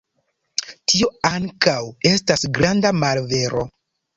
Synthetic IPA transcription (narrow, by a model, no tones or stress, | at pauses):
tio̞aŋkawe̞stasɡɾandamalve̞ɾo̞